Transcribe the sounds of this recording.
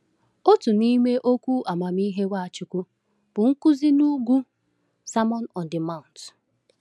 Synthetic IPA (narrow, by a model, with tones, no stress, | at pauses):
o˦tu˨ni˦me˦ʔo˦kʷu˦ʔa˨ma˨mi˦ɦe˦wa˦˨a˨t͡ʃʊ˨kʊ˦ | b̥ʊ˨ŋ̩˦kʊ˦zi˦nu˦ɡu˦ | sa˦mɔ˦nɔ˨ndɪ˨ma˦˨ʊ̃˨n˨t